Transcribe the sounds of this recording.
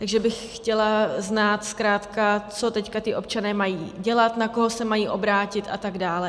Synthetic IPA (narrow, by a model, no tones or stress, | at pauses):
t̪aɡʒɛbɪxxcɛlaznaːt̪skɾaːt̪kat͡so̞t̪ɛckat̪ɪʔo̞p̚t͡ʃanɛːmajiːɟɛlat̪nakoɦosɛmajiːʔo̞bɾaːcɪt̪ʔa̰t̪aɡdaːlɛ